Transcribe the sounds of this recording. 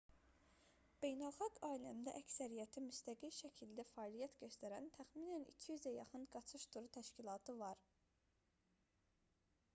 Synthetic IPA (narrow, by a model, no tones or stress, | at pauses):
b̥e̞jnælˠχɑɡɑːilæmd̪æ̰ʔæcsæɾijæt̪ʰimyst̪æɡilʃæcʰild̪æfɑːlˠijæt̪ɟøst̪æɾænt̪ʰæxmiːnænḭcʰijyzæjɑχɯnɡɑt͡ʃʰɯʃt̪ʰuɾut̪ʰæʃcilˠɑːt̪ʰɯvɑɾ